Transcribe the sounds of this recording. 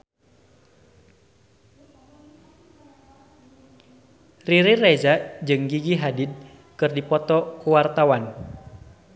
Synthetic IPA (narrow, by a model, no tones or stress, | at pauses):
riɾirɛzad͡ʒɨŋɡiɡiɦadid̚ | kɨrdipɔt̪ɔkuwart̪awan